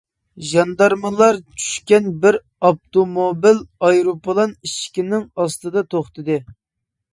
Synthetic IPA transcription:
ʒɑnd̪ɑɾmɨlˠɑɾt͡ʃʰy̥ʃkʲɛnbɪɾ | ɑp̚t̪omobilɑjɾopʰlˠɑniʃkʲinɪŋɑst̪ɨd̪ɑt̪ʰoχt̪ɨd̪ɨ

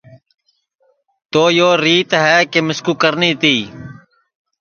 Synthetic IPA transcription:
t̪oːjoːɾiːt̪ɦɛːkeːmɪskuːkəɾniːt̪iː

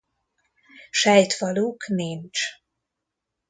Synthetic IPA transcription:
ʃɛjt̪vɒluːknint͡ʃ

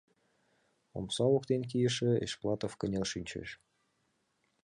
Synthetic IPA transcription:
o̰msɑokt̪enk̬ijə̆ʃĕḛʃplˠɑt̪ofkənʲelʃynʲt͡ɕḛʃ

